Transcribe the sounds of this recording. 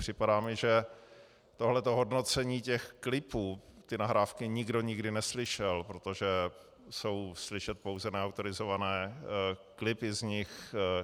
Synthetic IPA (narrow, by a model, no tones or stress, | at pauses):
pr̝̥ɪpadaːmɪʒɛ | t̪o̞ɦlɛt̪o̞ɦo̞dno̞t͡sɛɲiːcɛxklɪpuːt̪ɪnaɦɾaːfkɪɲɪɡdo̞ɲɪɡdɪnɛslɪʃɛlpɾo̞t̪o̞ʒɛ | so̞wslɪʃɛt̪̚po̞wzɛnɛawt̪o̞ɾɪzo̞vanɛː | klɪpɪzɲɪx